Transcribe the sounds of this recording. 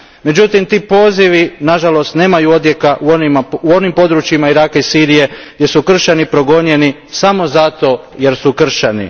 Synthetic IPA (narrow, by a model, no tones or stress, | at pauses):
me̞d͡ʑut̪imt̪iːpo̞ːziʋinaʒalo̞st̪ne̞ːmajuo̞d̪je̞kaʔuonimuo̞nimpo̞d̪ɾut͡ɕimaiɾaːkaisiːɾije̞ɡd̪je̞sukr̩ʃanipɾo̞ɡo̞ɲe̞ni | samo̞zat̪o̞ | je̞ɾsukr̩ʃanḭ